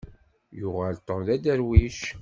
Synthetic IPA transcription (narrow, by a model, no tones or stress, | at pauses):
jʊʁalt̪ˤːəɾðæd̪æɾwiʃ